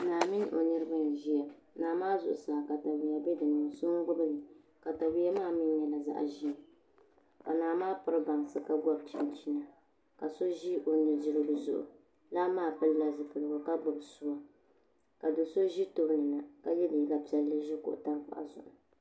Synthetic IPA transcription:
naː˨mɪ˦n˦ʔo˨nɨ˦ɾɨ˦ba˦˨ʒi˦ja˨ | naː˨maː˦zʊ̰˨ʔʊ˨saː˨ka˨ta˨wi˨ja˨bɛ˦dɨ˨nɨ˨ŋ˨so˦ŋ˦ɡʊ˦bɨ˦lɨ˨ | ka˨ta˨wi˦a˦maː˦˨mɪ˦jɛ˨la˨za̰˦ʔʒi˦a˨ | ka˨naː˨maː˦pʊ˦ɾɨ˦ba˨ŋ˨sɨ˨ka˦ɡɔ˦b̚t͡ʃi˨n˦t͡ʃi˦na˨ | ka˨so˦ʒi˦ʔo˨nɨ˨d͡ʒɪ˦ɾɨ˦bɨ˨zʊ̰˨ʔʊ̰˨ | la˦maː˦˨pɨ˦lla˦zɨ˨pɨ˨lɨ˨ɡɔ˨ka˦ɡ͡bʊ˨bsʊ˦wa˨ | ka˨dʊ˨so˦ʒi˦to˦bnɨ˨na˨ka˦jɛ˦di˨ka˨pi˨ɛ˨lːɨ˦ʒi˦kʊ̰˦˨ʔʊ̰˨ta˦k͡pa̰˨ʔa̰˨zʊ̰˨ʔʊ˨

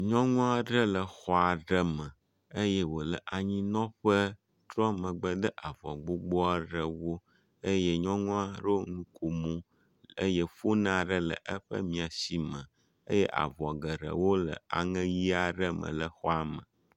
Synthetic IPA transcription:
ɲɔ̃˦ŋɔ̃˦a˦ɖə˦lə˨xɔ˦a˨ɖə˦mə̃˨ | ə˦jɛ˦wo˨lə˨ʔa˨ɲĩ˦nɔ̃˦ɸə˦ | t̪ɾɔ˦mə̃˨ɡ͡bə˦d̪ə˦ʔa˨vɔ̰˨ɡ͡bo˦ɡ͡bɔ˦a˦ɖə˨wo˦ | ə˦je˦ɲɔ̃˦ŋɔ̃˦a˦ɾo˦nũ˦ko˨mũ˦ | ə̰˦je˦fo˦nã˦˨ɖə˦lə̰˨ʔə˦ɸə̰˦mĩ˨a˨si˨mə̃˨ | ə̰˦jɛ˦ʔa̰˨vɔ˨ɡə˨ɖə̰˨wo˦lə̰˨a̰˨ŋɛ̃˦ji˦a˨ɖə˦mə̰̃˨lə˨xɔ˦a˨mə̰̃˨

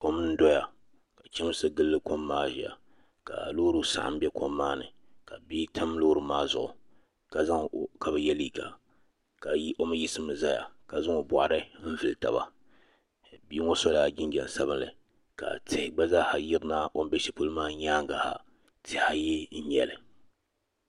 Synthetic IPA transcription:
o˦mɨ˦n̩˦dɔ˦ja˨ | ka˨t͡ʃɛ˦m˦sɨ˦ɡɨ˦lːɨ˦ko˦mːaː˦ʒḭ˨ja̰˨ | ka̰˨loː˦ɾu˦sa̰˨ʔa̰˨m˦bʲɛ˦kʰo˦mːaː˦nɨ̰˨ | ka˨biː˦tʰa˦m˦loː˦ɾɨ˨maː˦zʊ̰˨ʔʊ˨ | ka˨za˦ŋka˨bɨ˨jɛ˦li˦ka̰˨ | ka˨˦o˦mɨ˦ji˦sɨ˦mɨ˨za˦ja̰˨ka˨zʊ˦ŋo˨bɔ̰˨ʔɾɨ˦m̩˦vɨ˨lta̰˨ba̰˨ | biː˦ŋo˦so˦la˨ɡʲɪ˦ŋɡɛ˨n˨sa˦βɨ˦nlɨ̰˨ | ka̰˨tɪ˦hɪ˨ɡ͡ba˦zaː˦ha˨jɪ˦ɾɨ˦naː˦ʔo˦m˦bɛ˦ʃi˦˨pu˦lmaː˦ɲaː˦ŋɡa˨ha̰˨ | tʰɪ˦ha˦ji˦n̩˦ɲɛ̰˨lɨ˨

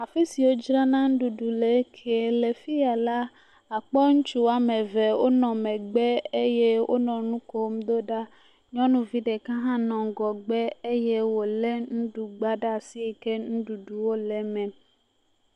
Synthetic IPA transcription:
a˨fi˦si˨wo˦d͡ʒɾã˦nã˦ŋ̩˦ɖu˨ɖu˨le˨˦kʰe˨le˨fi˦a˨la˦ | a˨k͡pɔ˦ŋũ˦t͡ʃu˦wa˨mɛ̃˨vɛ˨wo˦nɔ̃˨mɛ̃˨ɡ͡bɛ˦e˦je˦wʔo̰˦nɔ̃˨nũ˦ko˦m˦d̪o˦ɖa˦ | ɲɔ̃˦nũ˦vi˦ɖe˨kã˦ɦã˦nɔ̃˨ɡɔ˨ɡ͡bɛ˦e˦je˦wo˨lɛ˦nũ˦ɖu˨ɡ͡ba˦ɖa˦a˨si˦e˨ke˦nũ˦ɖu˨ɖu˨wo˦lɛ˨mɛ̃˨

